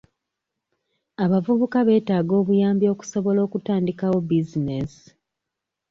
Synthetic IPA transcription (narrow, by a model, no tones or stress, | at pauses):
aβavuβukaβe̞ːtaːɡo̞ːβujaːmbjo̞ːku̥so̞βo̞lo̞ːkutaːndikawo̞bizines